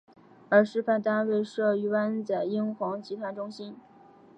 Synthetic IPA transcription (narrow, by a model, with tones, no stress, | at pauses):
ə˞˧˥ʂɻ̩˥˧fa˥˧˩nt̪a˥nwe˥˧ɪʂɤ˥˧y˥˩wa˥nt͡sa˨˩ɪi˥ŋxwɑ˧˥ŋt͡ɕi˧˥t̪ʰwa˧˥nʈ͡ʂʊ˥ŋɕi˥n